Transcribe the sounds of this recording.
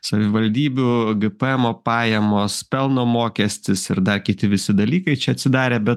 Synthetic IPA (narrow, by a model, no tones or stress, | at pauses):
sɐʋʲɪʋɐlʲd̪ʲiːbʲuːɡɨpɛɛmoːpɑːjɛmoːspʲɛlˠnoːmoːkʲɛsʲt̪ʲɪsɪɾd̪ɐɾkʲɪt̪ʲɪʋʲɪsʲɪd̪ɐlʲiːkɐɪt͡ʃʲɛɐt̪ʲsʲɪd̪ɑːɾʲeːbʲɛt̪